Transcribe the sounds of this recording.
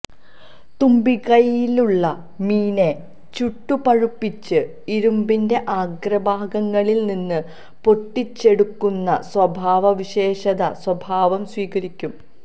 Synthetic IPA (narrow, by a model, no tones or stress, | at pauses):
t̪umbikɐjiluɭːɐ | miːne | t͡ɕuʈːupɐɻupːit͡ɕːɨ | iɾumbinde̞ʔaːɡrɐbʱaːɡɐŋːɐɭilninːɨ | po̞ʈːit͡ɕːe̞ɽukːunːɐswɐbʱaːʋɐʋiɕe̞ːɕɐðɐswɐbʱaːʋɐmswiːkɐɾikʲːum